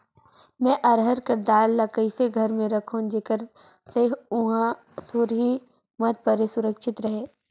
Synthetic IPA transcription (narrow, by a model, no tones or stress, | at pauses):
mɛ̃ːʔɐɾɦəɾkɐɾd̪aːlːɐkəiseɡʱɐɾmẽɾɐkʰõd͡ʒekəɾ | seʊɦã | suɾɦi | mɐt̪̚pəɾesʊɾəkʃɪt̪ɾɐɦẽː